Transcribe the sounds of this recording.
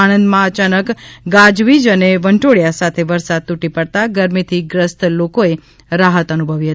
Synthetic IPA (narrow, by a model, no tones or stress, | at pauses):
anənd̪mãət͡ʃanəkɡad͡ʒʋid͡ʒəneʋəɳʈoɽjasat̪ʰeʋəɾsad̪̚t̪uʈipəɽt̪aɡəɾmit̪ʰiɡɾəst̪lokoe | ɾaɦət̪ənubʱəʋiɦət̪i